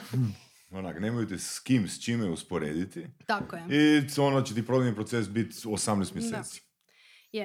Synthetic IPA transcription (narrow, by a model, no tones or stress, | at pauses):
onaknemojt̪eskimst͡ʃimɛuspoɾeːd̪it̪it̪akojɛionot͡ɕet̪ipɾod̪inipɾosesbit̪osamnɛst̪mjeseːt̪si̥ | j